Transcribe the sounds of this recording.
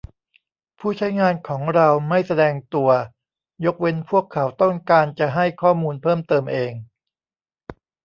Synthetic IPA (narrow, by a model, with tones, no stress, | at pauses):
pʰuː˥˩t͡ɕʰa˦˥jŋaː˧nkʰɔː˩˦ŋɾa˧wma˥˩jsa˧dɛː˧ŋt̪u˧ɐ | jo˦˥k̚we˧npʰu˥˩əkʰːa˩˦wt̪ɔ˥˩ŋkaː˧nt͡ɕa˨˩ɦa˥˩jkʰɔː˥˩muː˧npʰɤː˥˩mt̪ɤː˧mʔeː˧ŋ